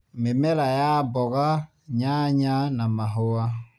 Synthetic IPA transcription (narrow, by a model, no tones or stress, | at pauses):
memɛlajabɔɣa | ɲãɲãnãmãɦowa